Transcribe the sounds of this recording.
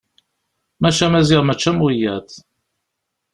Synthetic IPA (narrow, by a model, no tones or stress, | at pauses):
mæt͡ʃːæmæziʁmæt͡ʃːæmwijæt̪